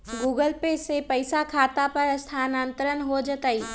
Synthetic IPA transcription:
ɡuːɡəlpeːsepɐɪsakʰaːt̪apɐɾst̪ʰaːnãːnt̪əɾənɦod͡ʒət̪aiː

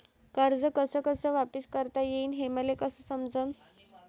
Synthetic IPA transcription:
kəɾd͡zəkəsəːkəsəːʋapiskəɾt̪ajeinɦeməlekəsəːsəmd͡zən

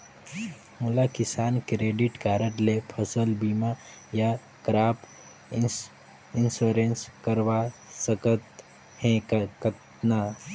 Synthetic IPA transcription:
mʊlakɪsaːnkɾeːɖɪʈkaːɾəʈlepʰəsəlbiːma | ja | kɾaːp | ɪnsoːɾenskəɾʋasəkət̪ | ɦɛ̃kkət̪ | na

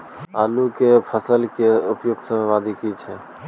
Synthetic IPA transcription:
alukepʰəsəlkeupjoɡsəmʋad̪ikit͡ʃʰɛ

